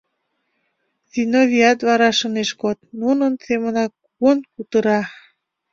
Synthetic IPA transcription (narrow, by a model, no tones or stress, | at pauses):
zinovʲiɑt̪βɑɾɑʃəneʃkot̪̚nunənsemənɑk | uənkut̪əɾɑ